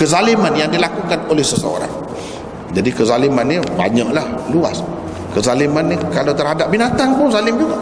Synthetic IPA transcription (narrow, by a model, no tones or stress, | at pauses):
kəzalimanjaŋdilakukanolɛhsəsəo̰ɾa̰ŋ | d͡ʒadikəzalimanːĩba̰ɲaʔlahlua̰s | kəzalimanːikalat̪ərɦadap̚binat̪aŋpʊnzalɪmd͡ʒuɡa